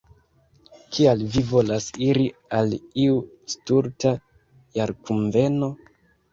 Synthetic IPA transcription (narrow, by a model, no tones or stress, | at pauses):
kʰialvivo̞lasiɾialiu | stuɾta | jaɾkuɱve̞no̞